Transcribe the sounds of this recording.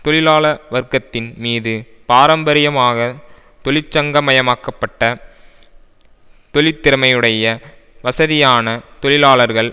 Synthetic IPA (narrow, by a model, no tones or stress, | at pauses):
t̪ɔɭɪlaːɭɐɾʋɐɾkɐt̪ːɪnmiːðɯ | paːɾɐmbɐɾɪjɐmaːɣɐ | t̪ɔɭɪt͡ʃːɐŋɡɐmɐjɐmaːkɐpːɐʈːɐ | t̪ɔɭɪt̪ːɪɾɐmɐjɯɽɐjɐʋɐsɐðɪjaːnɐt̪ɔɭɪlaːɭɐɾɣɐɭ